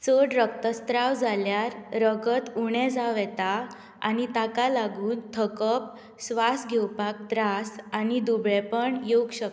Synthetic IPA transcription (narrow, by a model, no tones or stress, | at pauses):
t͡səɽɾək̚t̪əst̪ɾawd͡zʱaljaɾɾəɡət̪uɳ̃ɛ̃d͡zaʋɛt̪a | a̰nit̪akalaɡuːnt̪ʰəkəp̚ | sʋasɡʱɛwpak̚d̪ɾasanid̪ubɭɛpəɳjoɡɕək